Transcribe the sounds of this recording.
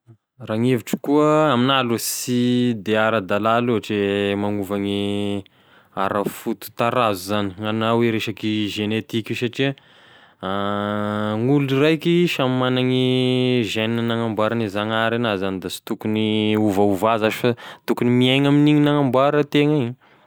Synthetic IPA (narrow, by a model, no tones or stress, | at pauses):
raŋeviʈ͡ʂi̥kuəaminalusid̪eaɾad̪alaluɦaʈ͡ʂemaŋuvaŋi | aɾəfut̪u̥t̪aɾazuzani̥ŋanaweɾeʃakiʒenet̪ikusaʈ͡ʂiə | a | ŋuluirajkiʃammanaŋiʒeninənaŋambaɾanizanaɾenazanid̪asi̥t̪ukuniuvauvazaʒifat̪ukunimieŋaminiɲinaŋambaɾət̪eŋiɲi